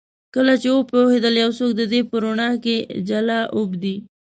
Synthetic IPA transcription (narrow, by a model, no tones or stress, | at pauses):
kəlat͡ʃewopohed̪əljawsok̚d̪əd̪epəɾoɳɑked͡ʒalɑʔʊbd̪i